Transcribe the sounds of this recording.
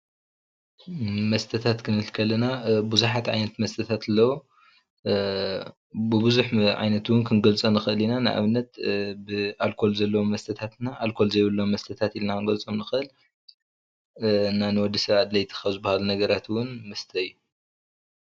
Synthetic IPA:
mɐst̪ʰɐt̪ʰat̪kʰɨnɨlkʰɐlɐnabuzuħat̪ʕa̰jnɐt̪mɐst̪ʰɐt̪ʰat̪ɨlːɐwo | bɨbuzuħʕa̰jnɐt̪wʊnkʰɨnɡɐlt͡sʼonɨxɨʔɨlinanɨʔa̰βɨnːɐt̪̚bɨalkʰo̞lzɐlːɐwomːɐst̪ʰɐt̪ʰat̪naʔalkʰo̞lzɐjβɨlːommɐst̪ʰɐt̪ʰat̪ilnakɨnɡɐlt͡sʼomnɨxɨʔɨl | nanɨwɔd̪isɐβad̪lɐjt̪ʰɨ̥xɐzɨbahalunɐɡɐɾat̪wʊnmɐst̪ʰɐɨjːu

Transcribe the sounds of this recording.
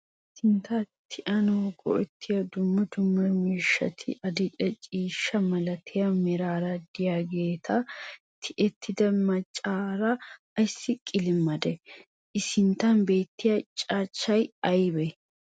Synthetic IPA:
ɪsɪnt̪ɐt̪ʰɪʔɐnoːɡɔ̰ɛt̪ʰːɪjɐd̪ʊmːɐd̪ʊmːɐɾmiːʃːɐ̰t̪ʰɪ̰ʔɐd̪ɪt͡ʃʼɛt͡ʃʼiːʃːɐmɐlɐt̪ʰɪjɐmɛɾaːɾɐd̪̥ɪjaːɡe̞ːt̪ʰɐ | t̪ʰɪʔɛt̪ʰːɪd̪ɐmɐt͡ʃʼːaːɾɐ | ɐjsːɪkʼɪlɪmːɐd̪ɛ | ʔɪsɪnt̪ːɐnbe̞ːt̪ːɪjɐt͡ʃʼaːt͡ʃːɐjɐjbɛ

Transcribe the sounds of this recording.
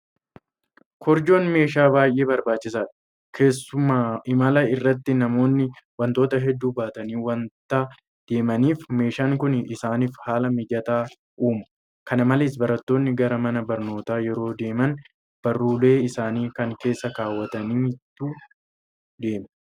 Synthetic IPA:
kʰɔɾd͡ʒo̞ːnme̞ːʃaːbaːjʔe̞ːbɐɾbaːt͡ʃːɪsaːt̪ɪ̥ | kʰe̞ːsːʊmaːɪmɐlɐɪrːɐt̪ːɪnɐmo̞ːnːɪwɐnt̪o̞ːt̪ɐɦɛd̪ːuːbaːt̪ɐniːwɐnt̪aː | d̪̥e̞ːmɐniːfme̞ːʃaːŋkʊnɪsaːniːfhaːlɐmɪd͡ʒɐt̪aː | ʔuːmɐ̥ | kɐnɐmɐlɪsbɐɾɐt̪ːo̞ːnːɪɡɐɾɐmɐnɐbɐɾno̞ːt̪aːjɛɾo̞ːd̪e̞ːmɐn | b̥ɐrːuːle̞ːɪsaːniːkɐŋke̞ːsːɐkaːwːɐt̪ɐniːmɪt̪ːuː | d̪e̞ːmɛ

